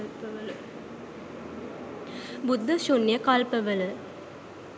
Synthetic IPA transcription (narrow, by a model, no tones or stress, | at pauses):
pːɐʋɐl | bʊd̪ːɐʃʊnjɐkaːlpɐʋɐlɯ